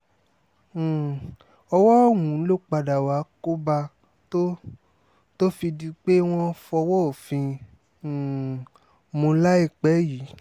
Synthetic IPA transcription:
ɔ˧wɔ˦˨wũ˨˦lo˦˨k͡pa˧da˨wa˨˦ko˦ba˧ | to˦ | to˦fi˧di˧k͡pe˦w̃ɔ̃˦fɔ˧wɔ˦o˨fĩ˧˨ | mõ˧˦la˦i˦˨k͡pɛ˨˦ji˨˦

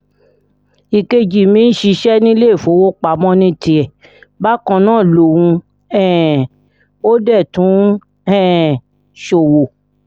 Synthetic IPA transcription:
i˨ke˧d͡ʒi˨mĩ˦n̩˦ʃi˧˦ʃɛ˦nĩ˦le˦i˦˨fo˨˦wo˦k͡pa˨mɔ̃˦nĩ˧˦ti˧˦ɛ˨ | ba˦kɔ̃˧nãː˦˨lo˨wũ˧ | ɛ˦˨ | o˦dɛ˦˨tũ˨˦ | ɛ̃ː˦˨ | ʃo˨wo˨

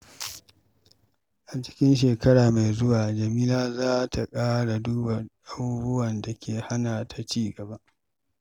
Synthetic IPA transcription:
ʔa˨t͡ʃɪ̥˦kʲɪ˦nʃ̬eː˨kɐ˦ɽaː˨ma˨jzʊ˦waː˨d͡ʒɐ˨miː˦laː˦zaː˦tʰa˨kʼaː˦ɽa˨duː˦bɐ˨rɗa˦bu˦bʊ˦wɐ˨nda˨kʲʰeː˨ha˦naː˨tʰa˨t͡ʃiː˦˨ɡɐ˨ba˦ʔ

